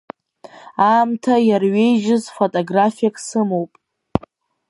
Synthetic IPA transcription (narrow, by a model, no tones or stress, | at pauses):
aːmtʰajarɥe̞jʒɪzfotʼoɡrafijakʼsɨmowpʼ